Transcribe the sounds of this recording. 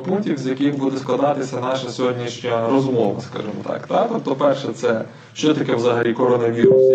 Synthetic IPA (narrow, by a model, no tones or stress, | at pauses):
punk̚tʲiwzʲjɐkʲɪxbud̪ɛsklˠɐd̪ɑt̪ɪsʲɐnɑʃɐsʲɔɦɔdʲnʲiʃnʲɐɾɔzmɔʋɐ̰skɑ̰ʒɨmɔt̪ɑ̰kt̪at̪ɔp̚t̪ɔpɛrʃɛt̪sɛ | ʃt͡ʃɔt̪ɐkʲɛʋzɐɦɐlʲikɔɾɔnɐʋʲiɾʊsʲ